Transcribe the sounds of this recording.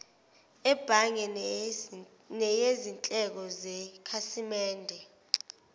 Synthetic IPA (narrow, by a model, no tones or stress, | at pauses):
ɛb̥ʱaŋɛ | nɛjezint͡ɬʼɛk̬ɔzɛkʰasimɛːndʱɛ